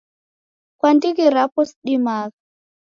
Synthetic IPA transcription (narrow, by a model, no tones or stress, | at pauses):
kwandikiɾapɔsɗimaːka